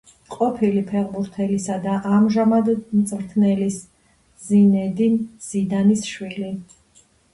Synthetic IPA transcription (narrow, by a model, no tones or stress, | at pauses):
qʼɔpʰilipʰɛʁbuɾt̪ʰɛlisad̪aʔamʒamad̪mt̪sʼɾt̪ʰnɛlis | zinɛd̪inz̥id̪anisʃwili